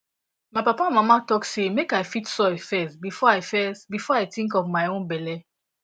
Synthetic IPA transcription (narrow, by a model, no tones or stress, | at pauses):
maɪpapãmamatɔksemekajfitsɔifɛsbifɔajfɛsbifɔajtĩŋkɔvmaɪõnbɛlɛ